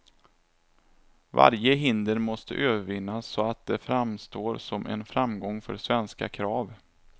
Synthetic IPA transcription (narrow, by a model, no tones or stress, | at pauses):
va̰ɾjəɦɪnd̪əɾmɔst̪ə̰ʔøːvəɾvɪnːasːɔat̪̚d̪ɛfɾamst̪oːɾsɔmʔɛ̰nfɾamɡɔŋːfœ̰ɾsvɛnska̰kʰɾɑːv